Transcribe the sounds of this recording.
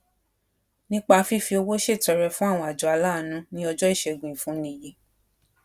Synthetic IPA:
nĩ˦k͡pa˧fi˦˨fi˧o˧wo˦ʃe˦˨tɛ˨˧ɾɛ˧fũ˦a˦˨w̃ɔ̃˧a˨d͡ʒɔ˨a˧la˦˨nũ˨˦nĩ˦ɔ˧d͡ʒɔ˦i˦˨ʃɛ˧˨ɡũ˨ĩ˨fũ˦nĩ˦˨je˨˦

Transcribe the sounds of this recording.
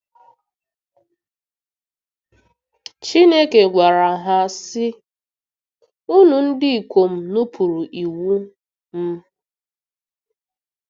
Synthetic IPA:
t͡ʃi˦ne˦ke˨ɡʷa˨ɾa˨ɦa˨sɪ˦ | u˦nu˨n̩˦dɪ˦i˨kʷo˨m̩˦nu˦pʰu˨ɾu˨ʔi˨wu˦ | m̩˦

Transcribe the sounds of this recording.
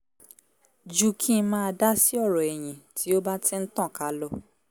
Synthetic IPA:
d͡ʒu˦kʰĩ˦mãː˦a˧da˦si˦ɔ˦˨ɾɔ˨ɛ˨j̃ĩ˨ti˨˦o˦ba˦tʰĩ˦n̩˦tɔ̃˦˨ka˨˦lɔ˦

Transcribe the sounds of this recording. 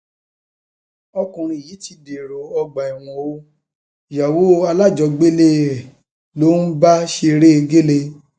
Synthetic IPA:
ɔ˧kũ˨ɾ̃ĩ˧i˨ji˨˦ti˧de˨ɾo˨ɔ˧ɡ͡ba˨i˨w̃ɔ̃˨o˦˨ | ja˨wo˦a˧la˦˨d͡ʒɔ˨˧ɡ͡be˦le˦˨ | lo˦n̩˦ba˦ʃe˧ɾe˦˧ɡe˦le˧

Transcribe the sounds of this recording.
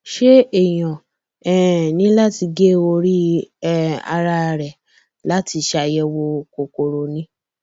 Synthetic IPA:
ʃe˦ɛ˦˨j̃ã˨ | ɛ˦˨nĩ˦la˦ti˧ɡe˦o˧ɾi˦ | a̰˧ɾa˧ɾɛ˨ | la˦ti˧ʃa˧jɛ˧wo˧ko˨ko˨ɾo˨nĩ˦

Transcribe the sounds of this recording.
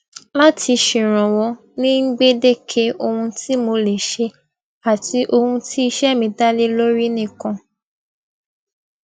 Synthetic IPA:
la˦tʰi˧ʃĩ˨ɾ̃ɔ̃˨wɔ˧ | nĩ˦ŋ̩˦ɡ͡be˦de˦˨kʰe˦ʔo˧hũ˧ti˦mo˧le˨ʃe˧ | a˨ti˨˦ʔo˧hũ˧ti˦i˧ʃɛ˦˨mĩ˧da˦le˦lo˦ɾi˦nĩ˦˨kã˧

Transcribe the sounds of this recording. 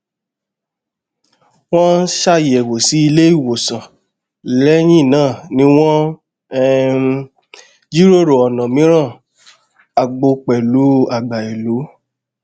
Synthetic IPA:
w̃ɔ̃˦n̩˦ʃa˦˨jɛ˨wo˨si˨˦i˧le˦i˦˨wo˨sã˨ | lɛ˦j̃ĩ˦˨nãː˦˨nĩ˨˦w̃ɔ̃˦ | d͡ʒi˦ɾo˦ɾo˨ɔ˨nã˨mĩ˨˦ɾ̃ã˦˨ | a˨ɡ͡bo˧k͡pɛ˨lu˨˦a˦˨ɡ͡ba˨i˨lu˨˦

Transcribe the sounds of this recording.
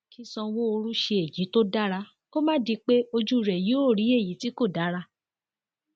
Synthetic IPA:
kĩ˦sɔ̃˧wo˦o˧ɾ̃ũ˦ʃe˧e˨jĩ˨˦to˦da˦ɾa˧ | ko˦mã˦di˧k͡pe˦o˧d͡ʒu˦˨ɾɛ˨ji˨˦o˦˨ɾi˨˦e˦˨ji˨˦ti˦ko˦˨da˨˦ɾa˧

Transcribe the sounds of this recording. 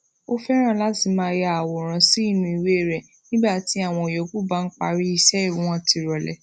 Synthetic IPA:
o˦fɛ˦ɾ̃ã˦˨la˦ti˧˨mãː˦ja˨wɔ˨ɾ̃ã˧si˦i˦˨nũ˧˦i˨˧we˦e˦˨ɾɛ˨ | nĩ˦ɡ͡ba˦˨ti˨˦a˦˨w̃ɔ̃˧o˨jɔ˨ku˦ba˦˨ŋ̩˦k͡pa̰˧ɾi˦i˦˨ʃɛ˦i˦˨wũ˨˦w̃ɔ̃˦˨ti˧ɾɔ˨lɛ̰˨

